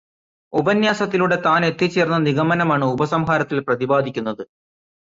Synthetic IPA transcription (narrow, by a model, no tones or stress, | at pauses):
ubɐnjaːsɐt̪ːiluɽe̞t̪aːne̞t̪ːit͡ɕːeːrnːɐniɣɐmɐnɐmaːɳɨubɐsɐmɦaːɾɐt̪ːilprɐðibaːd̪ʱikʲːunːɐðɨ